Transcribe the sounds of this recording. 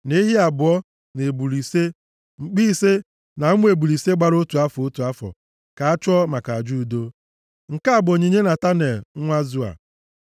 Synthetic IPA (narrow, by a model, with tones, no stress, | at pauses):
ne˦ɦi˦a˨bʊ˨ɔ˦ | ne˨bu˨ɾi˨se˦ | ŋ͡m̩˨k͡pi˦se˦ | na˨˦ŋʷ˦e˨bu˨ɾi˨se˦ɡ͡ba˦ɾo˦tu˨a˦fo˦tu˨a˦fɔ̰˨ | ka˨a˦t͡ʃʊ˦ɔ˦ma˨ka˨a˨d͡ʒu˦˨do˦ | ŋ̩˨ka˦a˨bʊ˨o˨ɲe˨ɲe˦na˨ta˦ne˨l̩˨˦ŋʷa˦zu˦a̰˨